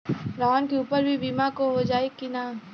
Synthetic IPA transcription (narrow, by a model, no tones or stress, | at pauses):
ɾaːnkeuːpəɾbʱibiːmakoɦod͡ʒaːekina